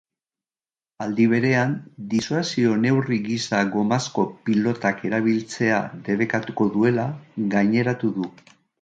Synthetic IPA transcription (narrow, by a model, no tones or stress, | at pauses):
ald̪iβ̞e̞ɾe̞and̪isuasio̞ne̞wriɣisaɣo̞masko̞pilo̞t̪ake̞ɾaβ̞ilt͡se̞a̰ðe̞β̞e̞kat̪uko̞ðue̞laɣajɲe̞ɾat̪uðu